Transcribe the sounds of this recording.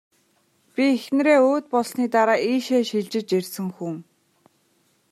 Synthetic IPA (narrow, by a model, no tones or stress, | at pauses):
pʲiexnɾeːoːt̪̚pɔɮsniːt̪aɾaːʔiːʃeːʃiɮt͡ɕɪ̆t͡ɕersɘ̆ŋxuŋ